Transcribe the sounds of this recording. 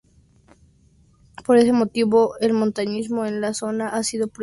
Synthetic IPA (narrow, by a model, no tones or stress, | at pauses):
po̞ɾe̞se̞mo̞t̪iβo̞e̞lmont̪aɲizmo̞enlaso̞naʔasiðo̞pɾ